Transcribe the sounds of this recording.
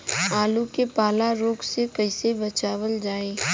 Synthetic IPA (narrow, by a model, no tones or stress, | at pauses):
aːlukepaːlaɾoːɡsekəɪsebɐt͡ʃaːʋəld͡ʒaːeː